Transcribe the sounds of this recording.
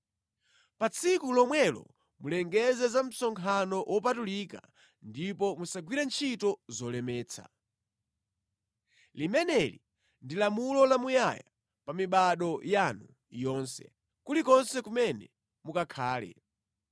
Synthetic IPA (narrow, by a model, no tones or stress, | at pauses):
pat͡sʰikulɔmwɛlɔ̰ | mulɛŋɡɛzɛzam̩sɔŋkʰanɔʔwʔɔpatuliːka | ndipɔmusaɡwiɾɛnt͡ʃʰitɔzɔlɛmɛːt͡sʰa̰ | limɛnɛli | ndilamulɔlamujaja | pamiɓaɗɔjanu | jɔnsɛ̰ | kulikɔnsɛkumɛnɛ | mukakʰaːlɛ̰